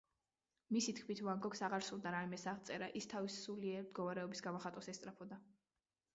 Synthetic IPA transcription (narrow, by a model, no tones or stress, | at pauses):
misit̪kʰmit̪ʰvaŋɡɔksaʁaɾsulˠd̪aɾaimɛsaʁt̪sʼɛɾaʔist̪ʰavisːuliɛɾmd̪̥ɡɔvaɾɛɔbisɡamɔχat̪ʼɔsɛst̪ʼɾapʰɔd̪a